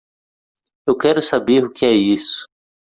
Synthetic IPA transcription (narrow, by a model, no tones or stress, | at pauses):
ewkɛɾʊsabeɾʊkɪɛisʊ̥